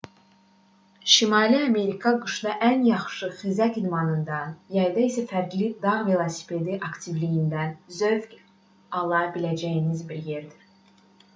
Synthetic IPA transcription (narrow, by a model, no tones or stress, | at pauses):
ʃimɑːliɑme̞ɾikʰɑɡɯʃd̪ɑʔænjɑχʃɯχizækid̪mɑnɯnd̪ɑjɑjd̪ɑisæfæɾɡlid̪ɑʁvelˠosi̥pʰe̞d̪iʔɑkt̪ʰivlijind̪ænzøvkʲ | ɑlˠɑbilæd͡ʒæjinizbiɾje̞ɾd̪i